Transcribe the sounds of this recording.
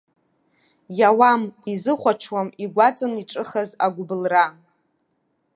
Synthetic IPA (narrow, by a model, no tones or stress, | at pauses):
jawamizɨχʷaʈ͡ʂʰwamiɡʷat͡sʼɨniʈ͡ʂʼɨχazaɡʷʊbɨlra